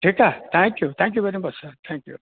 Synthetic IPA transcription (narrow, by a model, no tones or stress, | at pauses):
ʈʰikat̪ʰãŋkjut̪ʰãŋkjuʋeɾibʌsət̪ʰɛ̃ŋkjṵ